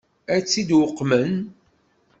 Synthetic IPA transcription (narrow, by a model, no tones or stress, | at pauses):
æt͡sːid̪wʊqːmən